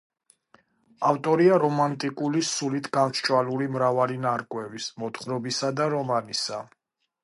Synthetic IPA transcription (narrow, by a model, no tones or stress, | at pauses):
aft̪ʼɔɾiaɾɔmant̪ʼikʼulisulit̪ʰɡant͡ʃʰt͡ʃʼwaluɾimɾavalinaɾkʼwɛvismɔt̪χɾɔbisad̪aɾɔmanisa